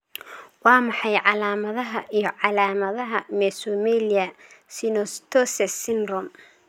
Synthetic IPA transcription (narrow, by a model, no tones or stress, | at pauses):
wɑːmɑħɑjʕɑlaːmɐðɐɦɐʔijɞʕɑlaːmɐðɐɦɐmɛsʊmɛlɪɐsɪnɔst̪ʰɔsɛsɪnrɔm